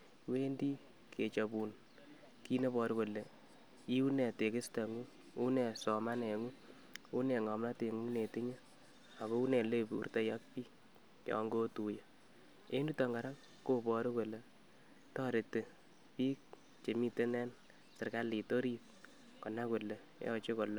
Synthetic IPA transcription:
we˦ndi˦ | kʰe˨t͡ʃo˨pu˨n | ki˦ne˦pɔ˨ɾko˨le˨ | i˦u˦ne˨te˨kɪ˦sta˨ŋu˦ | u˦ne˨sɔ˨ma˦ne˨ŋu˦ | u˦ne˨ŋɔ˨mna˦te˨ŋu˦ne˨ti˦ɲe˦ | a˨ko˦u˦ne˨le˦pṵ˨rte˦jɔ˦k̚pi˦ | jɔ̰˨ŋɡo˦tu˨ja˨ | e˦nu˦tɔ˨ŋɡa˨ɾa˦ŋ | ko˦pɔ˨ɾo˦ko˨le˨ | tɔ˦ɾe˨te˨ | piː˦k̚ | t͡ʃe˨mi˦te˦nɛ˦n | sɪ˨rka˦li˨to˦ɾi˦t̚ | kɔ˨na˦ko˨le˨ | jɔ̰˦t͡ʃe˦ko˨lo˦

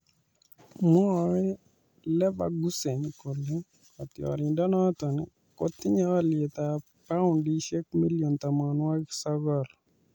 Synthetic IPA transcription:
mɔ˦˨ɾɛ˦ | lɛ˦ba̰˨ɡu˦se˨ɲko˨le˦ | ɔ˨t̪ɪ˨ɔ̰˨ɾɪ˨ndɔ˦nɔ˦t̪ɔ˨nɛ̰˨ | ko˦t̪ːɪ˦ɲɛ˦ɔ˦lɪe˨t̪a | pa˦ʊ˨ndi˦ʃe˦k̚mi˦ljo˨nt̪a˨ma˨nwa˦sɔ˦ɡɔ˦˨l

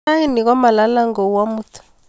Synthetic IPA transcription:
a˦i˦ni˨k̬ɔ˦ma˨la˦la˦ŋɡo˨u˦wa˦mu˦tʰu̥˨

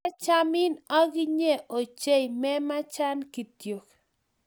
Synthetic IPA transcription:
t͡ʃa˦mɪ˦na˦ɡɪ˦ɲe˦˨ʔo˨t͡ʃe˦jmɛ˦ma˦t͡ʃa˦nki˨t̪jo˨k

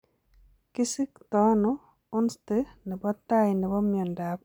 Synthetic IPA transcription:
ki˦si˦kt̪ɔ˦nɔ | ʊ˦nste˦nɛ˨bɔ˦t̪a˦jnɛ˨bɔ˦mjɔ˨nda˨k̚

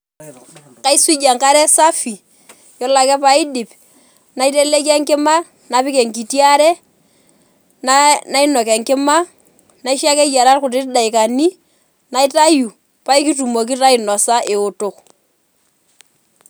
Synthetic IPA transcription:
ka˦i˦swi˦d͡ʒa˨ŋka˦ɾɛ˦sa˦fi˨ | jɔ˦la˨kɛ˦pa˦ɪ˦dɪ˨p | na˨i˦te˦le˦ka˦ŋkɪ˦ma˦ | na˨pɪ˦kɛ˨ŋki˨ti˦a˦ɾɛ˦ | nana˦i˦nɔ˨kɛ˨ŋkɪ˦ma˦ | na˦i˦ʃa˦kɛ˦ja˨ɾa˦rkʊ˨tɪ˦tda˨i˨ka˨ni˦ | na˨˦ɪ˦ta˦ju˨ | pa˦i˦ki˦tu˨mo˨k̬i˦ta˦ɪ˨nɔ˨sa˦ʔɪ˨ʊ˨tʊ˨k

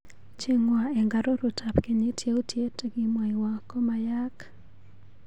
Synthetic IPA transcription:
t͡ʃi˦ŋwa˨e˨ŋɡa˨ɾo˦ɾʊ˨ta˨pke˨ɲe˦tʰje˦o˦tje˦teɡɪ˦mwa˨ɪ˨wa˨kɔ˦ma˨ja˦k

